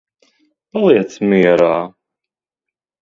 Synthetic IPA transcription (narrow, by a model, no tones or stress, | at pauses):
palˠit̪t͡smiɾaː